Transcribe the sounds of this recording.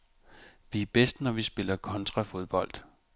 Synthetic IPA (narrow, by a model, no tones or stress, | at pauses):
ʋiæb̥esd̥nɒʋisb̥e̝lɐkʰɒ̽nt͡sʰʁɑ̈fo̝ð̞ˠb̥ɒ̽l̰d̥